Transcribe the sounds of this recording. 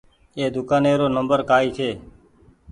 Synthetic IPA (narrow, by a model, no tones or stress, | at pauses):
eːd̪ʊkaːneːɾoːnəmbəɾkaːiːt̪ʰeː